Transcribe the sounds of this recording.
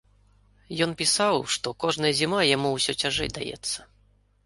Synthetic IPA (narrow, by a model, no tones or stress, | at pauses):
jɔnpʲisawʂt̪ɔkɔʐnɐjɐzʲimajamuwsʲɔt͡sʲaʐɛ̰jd̪a̰jɛ̰t̪sːɐ̥